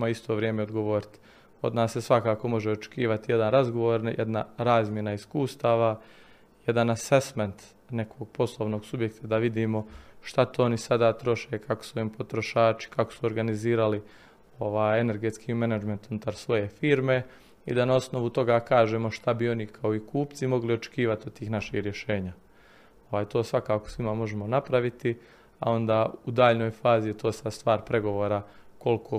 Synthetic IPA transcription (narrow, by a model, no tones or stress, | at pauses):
maist̪ʰo̞ːʋɾjeːme̞od̪ɡo̞ʋo̞ːɾit̪i̥ | o̞d̪naːsːe̞sʋakaːko̞mo̞ʒeot͡ʃe̥kiːʋat̪ije̞d̪anɾazɡo̞ʋo̞ːɾnjʔḛd̪naɾaːzmje̞naiskuːst̪aːʋa | je̞d̪anasesment̪ | ne̞kʰo̞ɡ̚po̞slˠoʋno̞ɡsubje̞kt̪ʰad̪aʋid̪iːmo̞ʃt̪at̪oonisad̪aːt̪ɾo̞ʃe̞ːkako̥suimpo̞t̪ɾo̞ʃaːt͡ʃi̥kako̥suo̞ɾɡaniziːɾali | o̞ʋaːjene̞ɾɡe̞t̪skʰiːmenad͡ʒment̪unut̪aɾsʋo̞je̞fiːɾme̞ | ḭd̪anao̞sno̞ʋut̪o̞ɡaːkaːʒeːmo̞ʃt̪abio̞nikʰaoikuːpt̪simo̞ɡlio̞t͡ʃe̥kiːʋat̪iod̪̚t̪ːiːxnaʃixɾje̞ʃe̞ːɲa | oʋaːjt̪o̞ːsʋakaːko̥sʋimamo̞ʒemo̞napɾaʋit̪i | a̰o̞nd̪aːud̪aːʎno̞ːjfaːzijet̪o̞ːsast̪ʋaːɾpɾe̞ɡo̞ʋo̞ːɾako̞lkʰo